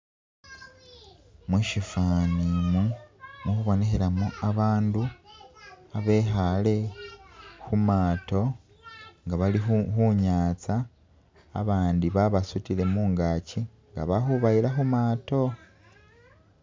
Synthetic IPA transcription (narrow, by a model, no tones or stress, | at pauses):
mwuʃifanimumuxuβo̞neçeɾamoaβaːndu | aβe̞xale̞ | xumaːto̞ | ŋɡaβalixuɲaːt͡sa̰ː | βaːndiβaβasutile̞muːŋɡaːci | ŋɡa̰βaxuβailaxumaːto̞